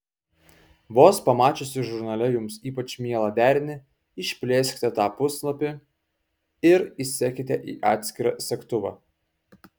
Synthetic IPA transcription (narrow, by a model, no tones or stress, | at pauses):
ʋoːspɐmɑːt͡ʃʲʊsʲɪʒʊɾnɐlʲɛjʊmsiːpɐt͡ʃmʲiɛlˠɐd̪ʲæːɾʲnʲɪ | ɪʃʲpʲlʲeːsʲkʲɪ̥t̪ʲɛt̪ɑːpʊslˠɐpʲɪ | ɪɾɪsʲækʲɪt̪ʲɛʔḭːʔɑːt̪ʲsʲkʲɪɾɑsʲɛkt̪ʊʋɑ̰ː